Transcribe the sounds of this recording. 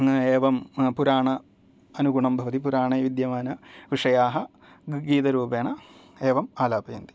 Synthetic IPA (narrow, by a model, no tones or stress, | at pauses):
eːʋɐmpuɾaːɳɐ | ɐnuɡuɳɐmbʱɐʋɐt̪ipuɾaːɳɐʋid̪jɐʋaːnɐʋiʂɐjaːɦɐ | ɡiːt̪ɐɾuːpeːɳɐeːʋɐmaːlaːpɐjɐnd̪i̥